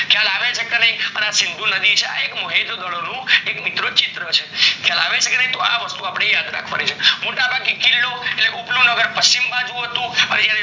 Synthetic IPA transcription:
kʰjalaʋet͡ʃʰekenəĩpənasɪnd̪ʱũnəd̪it͡ʃʰea̰ekməɦed̪ɡ̪əɭonũekmit̪ɾot͡ʃɪt̪ɾət͡ʃʰekʰjalaʋet͡ʃʰekenəĩt̪oa̰ʋəst̪uapɽ̃ejad̪ɾa̰kʰʋa̰nit͡ʃʰemoʈabʱaɡ̚ekilːoeʈleʔuplũnəɡəɾpəʃimbãd͡ʒũɦət̪ũəned͡ʒjaɾe

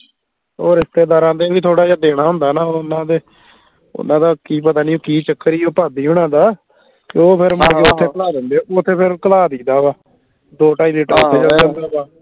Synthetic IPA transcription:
oːɾɪst̪eːd̪aːɾãːd̪eːʋiːt̪ʰoːɽaːd͡ʒaːd̪eːɽaːɦʊnd̪aːnaːoʊnːãːd̪eː | ʊ̰nãːd̪aːkiːpət̪aːnĩːõːkiːt͡ʃəkːəɾiːopaːd̪iːɦʊɽãːd̪aː | kɪoːpʰɪɾməeːʊt̪ʰːeːəlaːd̪ɪnd̪eːot̪ʰːeːpʰɪɾkəlaːd̪iːd̪aːʋaː | d̪oːʈaːiːliːʈəɾʊt̪ʰːeːd͡ʒəəd̪aːbaː

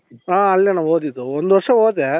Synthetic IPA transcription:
ãːɐlːɛnãːʋoːt̪it̪oɔnd̪ɯʋɐɾʂɐ̃oːt̪̬ɛ

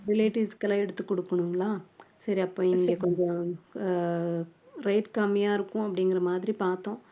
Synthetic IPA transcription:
ɾɪleːʈiːskːɐlaːɛɽɯt̪ːɯkːɔɽɯkːɐɳɯŋɡɐlaːsɐɾiɐpːõːɪŋɡeːkɔɲd͡ʒɔ̃ | ɾɐɪʈkamijaːɪɾɯkːʊ̃ɐpːɐɽɪŋɡɪɾɐmaːðɪɾipaːɾt̪õː

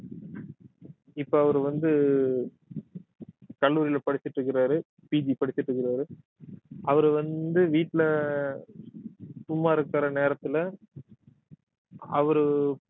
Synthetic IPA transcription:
ɪpːoɐʋɐɾɯʋɐnd̪ɯ | kɐɭːuːɾɪlɐpɐɽɪt͡ʃːɪʈrɯkːɪɾaːɾɯ | piːd͡ʒipɐɽɪt͡ʃːɪʈːrɯkːɪɾaːɾɯ | ɐʋɐɾɯʋɐnd̪ɯʋiːʈːɪlɐ | sʊmːaːɪɾɯkːaɾɐneːɾɐt̪ːɪlɐ | ɐʋɐɾɯ

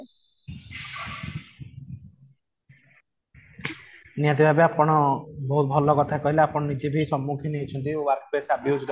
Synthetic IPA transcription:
nijat̪̬ibʱabeapɔɽ̃ɔbɔɦut̪̚bʱɔlɔkɔt̪ʰakɔɦilaapɔɽ̃nid͡ʒebʱisɔmːukʰineɦet͡ʃʰɔnt̪̬iwaɾk̚pɾesabjud͡ʒɾ

